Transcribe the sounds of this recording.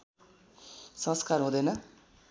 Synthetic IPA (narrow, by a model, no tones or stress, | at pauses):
sʌ̃skarɦũd̪ʌjnʌ